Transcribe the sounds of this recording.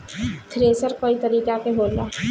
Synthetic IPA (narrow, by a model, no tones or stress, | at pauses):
t̪ʰɾeːsəɾkoːit̪ɐɾiːkakeɦoːlaː